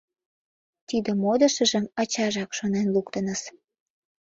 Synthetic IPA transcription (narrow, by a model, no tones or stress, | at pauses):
t̪id̪ə̆mod̪əʃə̆ʒə̆mɑt͡ɕɑʒɑkʃonenlukt̪ənəs